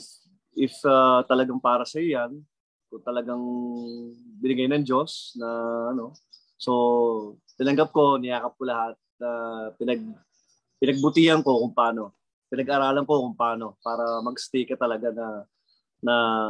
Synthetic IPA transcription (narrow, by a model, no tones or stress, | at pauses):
ʔɪfat̪ɐlɐɡaŋpaːɾɐsɐjojan | kʊŋt̪ɐlɐɡaŋ | bɪnɪɡajnɐŋd͡ʒo̞snɐʔɐno̞ | so̞ | t̪ɪnɐŋɡap̚ko̞nɪjaːkɐp̚kolɐhat̪̚nɐpɪnɐɡ̚ | pɪnɐɡ̚bʊt̪iːhɐnko̞kʊŋpaːno̞ | pɪnɐɡʔɐɾaːlɐnko̞kʊŋpaːno̞paːɾɐmɐɡst̪iːkɐt̪ɐlɐɡanɐ | nɐ